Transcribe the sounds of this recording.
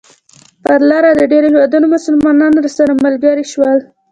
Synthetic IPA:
p̪əɾlɑɾad̪əɖeɾohewɑd̪unomʊsəlmɑnɑnɾasaɾamalɡaɾiʃwəl

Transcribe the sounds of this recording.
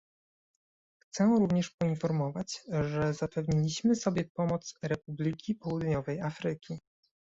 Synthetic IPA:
xt̪sɛɾuvɲɛʂpɔinfɔɾmɔvat͡ɕʐɛzapɛvɲilʲiɕmɘsɔbʲjɛpɔmɔt̪sɾɛpublʲikʲipɔwud̪ɲɔvɛjafɾɘkʲi

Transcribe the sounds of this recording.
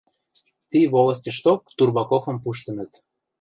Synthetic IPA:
t̪iβolə̆sʲtʲəʃt̪ok̚t̪urβɑkofɤ̆mpuʃ̬t̪ə̆nə̆t̪

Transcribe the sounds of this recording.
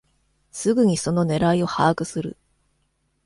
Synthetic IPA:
sɨɡɯ̟ɲ̟iso̞no̞ne̞ɾaio̞haːkɯ̟sɨɾɯ̰

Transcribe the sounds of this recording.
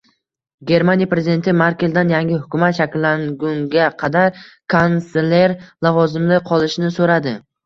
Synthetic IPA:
ɡʲe̞ɾmanʲijapɾe̞zʲid̪e̞nt̪ʰɪmaɾkʲeld̪anjaŋɡʲɪhʊkʲʊmat̪ʃakʲlːaŋɡʊŋɡʲaqʰɑd̪aɾkʰanseleɾlˠavɒzɪmlɪqʰɒlˠɪʃnɪsoɾad̪ɪ

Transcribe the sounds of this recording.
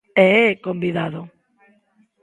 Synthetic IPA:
ɛkombiðaðo

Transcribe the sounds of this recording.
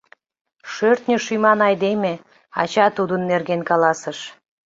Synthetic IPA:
ʃørt̪nʲəʃyjmɑnɑjd̪eme | ɑ̰t͡ɕɑt̪ud̪ənːerɣenkɑlɑsəʃ

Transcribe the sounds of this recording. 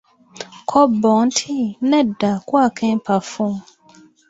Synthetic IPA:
kʰɔbɔ̃n̩tʰinɛ̃dakuakʰɛ̃pʰafũ

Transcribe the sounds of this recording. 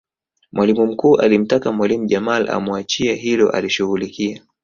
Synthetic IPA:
mwʔalimum̩kuːʔalim̩takamwalimuʄamala̰muat͡ʃiaɦilɔ̰ʔa̰liʃuɣulikia

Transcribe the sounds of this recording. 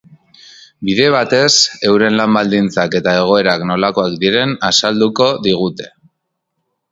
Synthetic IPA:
biðe̞β̞at̪e̞se̞wɾe̞nlambald̪int͡sake̞t̪ae̞ɣ̞o̞e̞ɾakno̞lako̞akd̪iɾe̞nasald̪uko̞ðiɣ̞ut̪e̞̥

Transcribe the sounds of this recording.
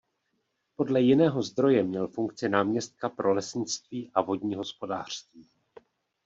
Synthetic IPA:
po̞dlɛjɪnɛːɦo̞zd̪ɾo̞jɛmɲɛlfuŋk̚t͡sɪnaːmɲɛst̪̚kapɾʔo̞lɛsɲɪt͡st̪viːʔavo̞dɲiːɦo̞spo̞daːr̝̥st̪viː

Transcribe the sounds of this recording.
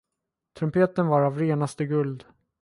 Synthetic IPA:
t̪ʰɾɵmpʰeːt̪ənvaɾavɾeːnast̪əɡɵld̪

